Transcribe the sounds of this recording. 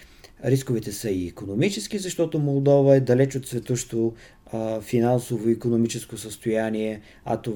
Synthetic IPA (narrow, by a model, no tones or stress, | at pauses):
ɾiskovɛt̪ɛsəiːkonomit͡ʃɛsk̟izɐʃt̪ɔt̪omolˠd̪ɔvəɛd̪ɐlɛt͡ʃot̪svɛt̪oʃt̪o | finansovoikonomit͡ʃɛskosəst̪ojaniɛ | ɐ̰t̪o